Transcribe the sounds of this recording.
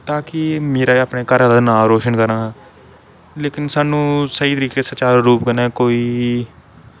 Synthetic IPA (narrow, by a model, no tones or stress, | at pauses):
t̪aːkɪmeːɾaːaːpneːkəɾaːd̪anãːɾoːʃənkəɾãː | leːkɪnsaːnũːsəiːt̪əɾiːkeːsət͡ʃaːɾɾuːp̚kənɛ̃ːkoːiː